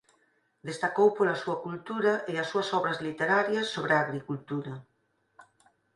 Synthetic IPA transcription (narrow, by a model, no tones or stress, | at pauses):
d̪est̪akowpoɾɐsuɐkult̪uɾɐʔɪɐsːuɐsɔβɾɐzlit̪eɾaɾjɐsːoβɾɪaːɣɾikult̪uɾɐ